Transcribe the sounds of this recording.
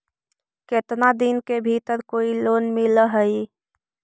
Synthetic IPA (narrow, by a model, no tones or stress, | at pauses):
ket̪nad̪inkebʱit̪əɾkoːiloːnmiləɦəi